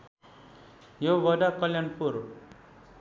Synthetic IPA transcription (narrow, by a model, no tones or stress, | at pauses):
joʋʌdakʌljanpuɾ